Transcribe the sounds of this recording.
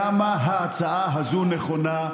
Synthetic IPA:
amaɦaːt͡saaɦazuneχona

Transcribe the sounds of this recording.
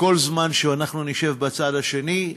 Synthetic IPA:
ko̞lzmanʃeanaχnuniʃe̞vbat͡sad̪haʃe̞ni

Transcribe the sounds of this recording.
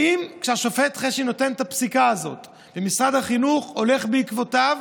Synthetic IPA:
imkʃeaʃofet̪χeʃino̞te̞nt̪apsikaːzo̞̰t̪ | bemisʁad̪haχinuχo̞le̞χbeikvo̞tav

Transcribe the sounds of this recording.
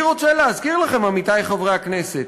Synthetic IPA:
ʁot͡ʃeleazkiʁlaχemamit̪ajχovʁeakneset̪

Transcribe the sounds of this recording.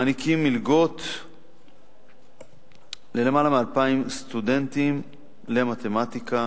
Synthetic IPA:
anikimːilɡo̞t̪ | le̞lemalamealpaimst̪ud̪ent̪im | le̞mat̪e̞mat̪ika

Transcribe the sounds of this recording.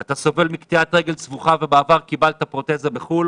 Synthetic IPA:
at̪asove̞lmikt̪iat̪ʁe̞ɡe̞lt͡svuχavebaːvaʁkibalt̪apʁo̞t̪e̞zabeχul

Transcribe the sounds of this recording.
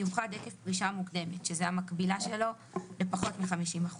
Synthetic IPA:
uvχad̪ekefpʁiʃamukd̪e̞metʃezeamakbilaʃe̞lo̞ | lepaχo̞tmiχamiʃimaχu

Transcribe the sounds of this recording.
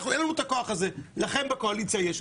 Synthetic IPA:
χuelanut̪akoaχazelaχenbekoalit͡sajɛʃ

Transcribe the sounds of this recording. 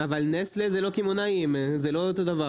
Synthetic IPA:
avalneslezelo̞kimonaimzelo̞ot̪o̞d̪ava

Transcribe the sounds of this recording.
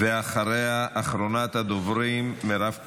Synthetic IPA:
veaχaɾejaʔːχɾonat̪had̪ovɾimːeɾaf

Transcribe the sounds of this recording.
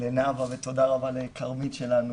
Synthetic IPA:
lenavavet̪o̞d̪aʁabalekʰaʁmitʃe̞lanu

